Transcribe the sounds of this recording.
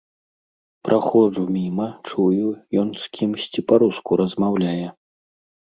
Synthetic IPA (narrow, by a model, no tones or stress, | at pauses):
pɾʔaxɔʐumʲimɐt͡ʂujujɔnskʲʰimsʲt͡sʲipaɾuskuɾɐzmawlʲajɛ